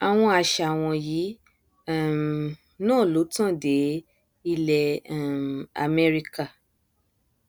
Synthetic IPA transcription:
a˨w̃ɔ̃˧a˨ʃa˨w̃ɔ̃˧ji˨˦˨ | nãː˦˨lo˨˦tã˦˨de˨˦ | i˦˧lɛ˧˨ | a̰˨mɛ˦˧ɾi˧ka˦˨

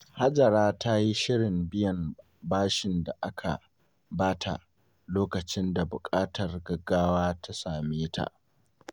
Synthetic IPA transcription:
ha˦d͡ʒɐ˨ɾaː˦tʰa˦ji˦ʃɪ˦ɽɪ˨mbɪ˦jɐ˨m | baː˦ʃɪ˨nda˨ʔa˦kʰa̰˨ | baː˦tʰa̰˨ʔ | loː˦kɐ˨t͡ʃɪ˦nda˨bʊ˨kʼaː˦tɐ˨rɡɐ˦ɡːaː˦waː˦tʰa˦saː˨meː˦tʰa̰˨ʔ

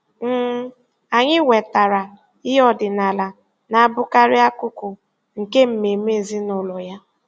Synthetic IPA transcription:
m̩˦ | a˨ɲɪ˦we˨ta˨ɾa˨ | ɪ˦ɔ˦dɪ˨na˨la˨ | na˨a˦bʊ˦ka˦ɾɪ˦a˦kʊ˦kʊ˨ | ŋ̩˨ke˦m̩˨me˨me˦˨zi˦nʊ˨lɔ˨ja˦

